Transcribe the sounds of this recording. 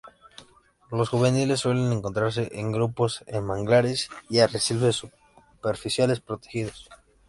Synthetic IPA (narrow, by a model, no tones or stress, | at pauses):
lo̞sxuβenile̞sːwe̞le̞ne̞ŋko̞nt̪ɾaɾs̬e̞ʔeŋɡɾupo̞senmaŋɡlaɾesiaresilβesu | peɾfisjale̞spɾo̞t̪exiðos